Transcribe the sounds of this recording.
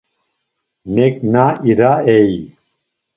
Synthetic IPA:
neknaʔiɾaej

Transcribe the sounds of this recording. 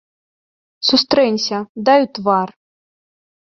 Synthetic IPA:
sust̪ɾɛnʲsʲɐd̪ajut̪var

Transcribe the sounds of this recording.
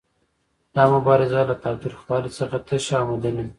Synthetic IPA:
d̪̥ɑmʊbɑɾɪzalat̪ɑt̪ɪɾxwɑlosəxat̪ʰəʃɑmɪd̪ana

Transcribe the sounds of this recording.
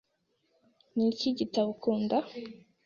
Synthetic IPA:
niciɟitaβukʰuːnda

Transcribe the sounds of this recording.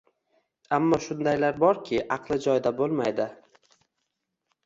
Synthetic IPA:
amːɒʃʊnd̪ajlaɾbɒɾkʲʰɪʔɑqlˠɪd͡ʒɒjd̪abolˠmajd̪ɪ

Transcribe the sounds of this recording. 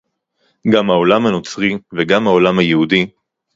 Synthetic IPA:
ɡamhao̞lamhano̞t͡sʁiveɡamhao̞lamhajehudi

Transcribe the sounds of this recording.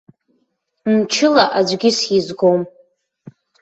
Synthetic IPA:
mt͡ʃʰɪlaʔad͡ʒʷɡʲɪsjizɡom

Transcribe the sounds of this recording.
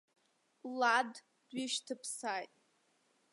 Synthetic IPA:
lad | d̥ɥiʃtʰɨpʰsajtʼ

